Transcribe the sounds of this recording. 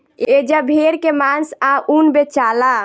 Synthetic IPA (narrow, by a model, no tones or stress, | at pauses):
ed͡ʒəbʱeɾkemansaʔunbet͡ʃala